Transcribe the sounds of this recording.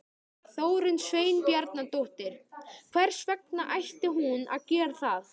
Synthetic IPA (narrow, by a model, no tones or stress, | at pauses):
θoːwɾʏnsveːjnpjaɾt̪nat̪oht̪ɪɾ̥kʰvɛɾ̥svɛk̚naʔajht̪ɪɦuna̰ðcɛːɾ̥θaθ